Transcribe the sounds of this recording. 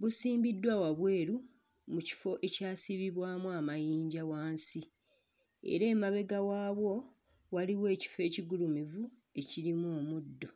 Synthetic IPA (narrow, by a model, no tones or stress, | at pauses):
βusiːmbidːwawaβwe̞ːɾu | muci̥fo̞ʔe̞caːsiβiβwaːmuamajiːɲɟawaːnsi | ḛɾe̞ːmaβe̞ɡawaːβwo̞ | waliwe̞ːci̥fe̞ːciɡulumivu | e̞ciɾimoːmudːo̞